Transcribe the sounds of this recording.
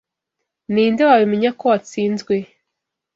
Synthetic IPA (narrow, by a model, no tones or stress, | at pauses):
niːndewaβimeɲako̞at͡siːnzɡwe̞